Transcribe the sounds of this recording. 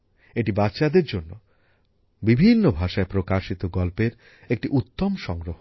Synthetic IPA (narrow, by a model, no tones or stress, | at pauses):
eʈibatːɕad̪eɾd͡ʑonːo | bibʱinːobʱaʃaepɾokaʃit̪oɡɔlpeɾ | ek̚ʈiʔut̪ːomʃɔŋɡɾoɦo